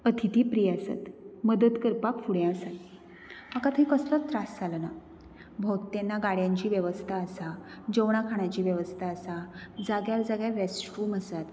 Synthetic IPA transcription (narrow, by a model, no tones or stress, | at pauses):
ət̪ʰit̪ʰipɾijasa̰t̪məd̪ət̪kəɾpakfuɽjãəsat̪ | makat̪əikəslɔt̪ɾasd͡zʱalna | bʱowt̪ːenːaɡaɽjãɲt͡ɕiːʋjəʋəst̪ʰaəsad͡ʑəwɳ̃akʰaɽ̃at͡ɕiːʋjəʋəst̪ʰaːsad͡zaɡjaɾd͡zaɡjaɾesʈuməsat̪